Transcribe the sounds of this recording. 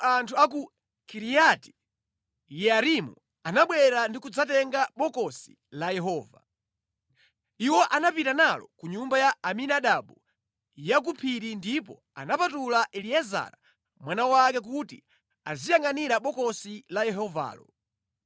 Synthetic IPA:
antʰuaku | kiɾijati̥ | jɛaɾimu | anaɓwɛɾandikud͡zatɛŋɡaɓɔkɔsi̥ | lajɛɦɔːva̰ | iwɔʔanapitanalɔkuɲumbajaaminaɗaɓu | jak̬upʰiɾindipɔ̰ | a̰napatulaʔɛliɛza̰ɾa̰ | mwanawakɛk̬utḭ | a̰zijaŋɡaniɾaɓɔkɔsilajɛɦɔva̰ːlɔ̰

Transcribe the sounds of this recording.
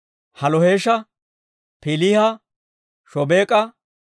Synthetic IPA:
hɐlɔheːʃɐ | pɪlihɐ | ʃɔbeːkʼɐ

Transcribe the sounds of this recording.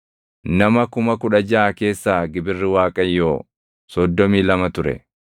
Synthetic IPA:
nɐmɐkʊmɐkʊᶑɐd͡ʒaːke̞ːsːaːɡɪbɪrːɪwaːkʼɐjːoː | sɔd̪ːɔmiːlɐmɐt̪ʊɾɛ̰

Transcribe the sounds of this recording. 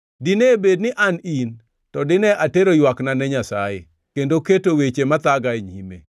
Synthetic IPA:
dinebednɪʔanin | tɔdɪnɛʔateɾojwaknanɛɲasajḛ | kendoketowet͡ʃemat̪aɡaeɲḭmḛ

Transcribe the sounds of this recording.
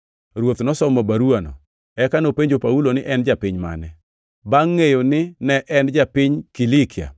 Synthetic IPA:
ɾwot̪nɔsɔmɔbaɾuanɔ̰ | ɛkanopeɲd͡ʒopaulonɪʔɛnd͡ʒapɪɲma̰nɛ | baŋːejonɪnɛʔɛnd͡ʒapɪɲkilikʰɪa̰

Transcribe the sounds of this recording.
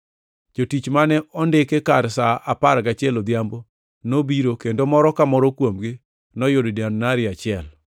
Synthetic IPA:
d͡ʒotit͡ʃmanɛʔɔndɪkekaɾsaʔapaɾɡat͡ʃɛlod̪jambo | nobiɾokendomɔɾɔkamɔɾɔkwomɡɪ | nɔjoddjannaɾɪat͡ʃɪɛl

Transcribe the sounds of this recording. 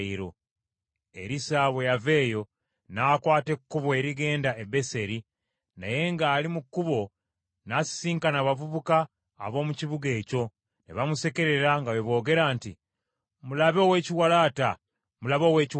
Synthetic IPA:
iɾo̞ | ḛɾisaːβe̞jave̞ːjo̞ | naːkwaːte̞kːuβo̞e̞ɾiɡe̞ːndaebe̞se̞ɾi | na̰je̞ŋɡaːlimukːuβo̞ | nasi̥siːŋkanaβavuβuka̰ː | βo̞ːmuciβuɡe̞ːco̞ | neβamuse̞ke̞ɾe̞ɾaŋɡaweβo̞ːɡe̞ɾaːnti | mulaβeo̞ːwe̞ːciwalaːta | mulaβo̞ːwe̞ːci

